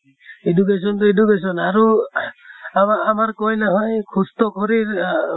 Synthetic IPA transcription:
eduk̬es̬ɔnt̪ɔedukes̬ɔnaɾu | amaːmaɾkɔjleɦɔjkʰust̪ɔkʰɔɾiɾ

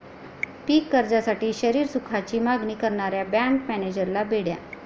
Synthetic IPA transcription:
piːkːəɾd͡zasaʈiːɕəɾiːɾsukʰat͡ɕiːmaɡniːkəɾɳaɾjabɛɳkmɛned͡ʑəɾlabeɽja

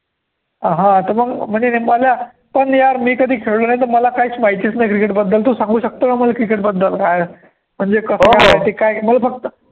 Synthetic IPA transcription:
ɦãt̪əɾməɡm̤əɳd͡zeneməlja | pəɳjaɾmiːkəd̪ʱiːkʰeɭlonajt̪̬əɾməlakajit͡smait̪isnajkɾikeʈbəd̪ːəlt̪usãŋɡuːɕək̚t̪onaməlakɾikeʈbəd̪ːəlkaj | m̤əɳd͡zekəskaajt̪ikajməlafək̚t̪ə

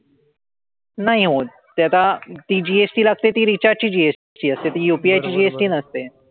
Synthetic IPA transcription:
naɦĩɦo | t̪jat̪at̪iːd͡ʑiesʈiːlaɡ̚t̪et̪iːɾit͡ɕaɾɖ̚t͡ɕiːd͡ʑies | ʈiːəst̪et̪iːjupiajt͡ɕiːd͡ʑiesʈiːnəst̪e

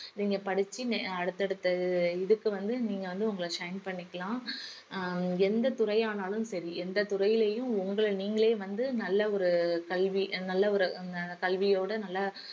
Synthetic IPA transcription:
niːŋɡɐpɐɽɯt͡ʃːiɐɽɯt̪ːɐɽɯt̪ːɐðɯɪðɯkːɯʋɐnd̪ɯniːŋɡɐʋɐnd̪ɯʊŋɡɐɭʂɐɪnpɐɳːɪkːɐɭãː | ɛnd̪ɐt̪ʊrɐɪaːnaːlɯmsɐɾiɛnd̪ɐt̪ʊɾɐjɪleːjʊ̃ʊŋɡɐɭniːŋɡɐɭeːʋɐnd̪ɯnɐlːɐɔɾɯkɐlʋinɐlːɐɔɾɯnɐkɐlʋɪjoːɽɐnɐlːɐ

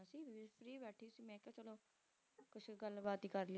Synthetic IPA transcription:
siːpʰɾiːbɛːʈʰiːsiːmɛ̃ːkɛ̃ːt͡ʃəloː | kʊt͡ʃʰɡəlbaːt̪iːkəɾli

